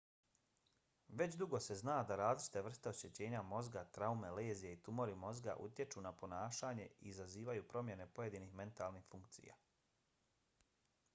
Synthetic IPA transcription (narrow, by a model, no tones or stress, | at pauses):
ʋe̞t͡ɕd̪uɡo̞se̞znaːd̪aɾaːzlit͡ʃi̥t̪eʋr̩st̪eo̞ɕe̞t͡ɕe̞ːɲamo̞zɡat̪ɾaumele̞ːzijeit̪umo̞ɾimo̞zɡa̰ʔṵt̪je̞t͡ʃunapo̞naːʃaːɲe̞iːzaziːʋajupɾo̞mje̞ne̞po̞je̞d̪iniːxme̞nt̪aːlˠnixfuŋkt̪sḭja̰ː